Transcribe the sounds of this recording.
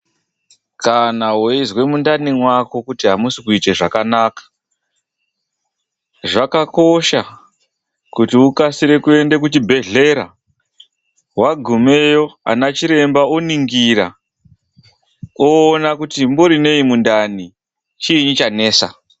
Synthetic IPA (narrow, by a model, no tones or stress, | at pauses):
kanawoizwe̞mundanimwako̞kutiɦamusikuiteʐakanaːkḁ | ʐakako̞ʃa | kutiukasiɾe̞kue̞nde̞k̬utibʱe̞ɮe̞ɾa̰ | waɡʱume̞jo̞a̰nat͡ʃiɾe̞mbaoniŋɡiɾa̰ | oːnakutimboɾine̞imundani | t͡ʃiɲit͡ʃane̞ːsa